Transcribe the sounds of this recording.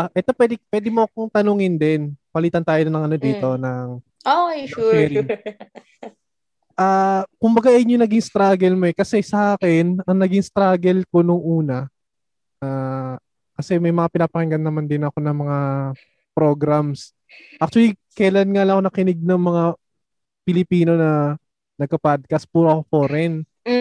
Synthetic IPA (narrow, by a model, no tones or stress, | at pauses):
ʔɛt̪o̞pwɛd̪ɪpwɛd̪ɪmoɐk̚oŋt̪ɐnoŋɪnd̪ɛnpɐliːt̪ɐnt̪aːjonɐnɐŋʔɐnod̪iːt̪o̞nɐŋ | oɛɾ | ʔaːkʊmbɐɡaʔɛjɲːonɐɡɪŋst̪ɾaːɡɛlmoɛkɐsɛsɐʔaːkɛnɐŋnɐɡiŋst̪ɾaːɡɛlko̞noŋʔuːnɐ | ʔaː | kɐsɛmɐjmɐŋapɪnaːpɐkɪŋɡɐnːɐmand̪ɪnɐko̞nɐŋmɐŋa | pɾo̞ɡɾams | ʔak̚t͡ʃʊwɐlikɐjlanŋalɐŋɐkonɐkɪnɪɡ̚nɐŋmɐŋa | pɪlɪpiːno̞nɐ | nɐɡ̚kɐpad̪̚kɐspuːɾoɐkofoɾɛn